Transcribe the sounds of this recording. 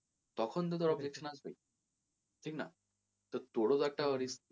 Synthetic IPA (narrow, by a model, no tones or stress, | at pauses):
t̪ɔkʰɔnt̪̬ət̪̬ɔɾɔbd͡ʑekɕənat͡sɦo̰ḭ | ʈʰiːkna̰ | t̪əɾt̪oɽod͡zak̚ʈaʋəɾiːs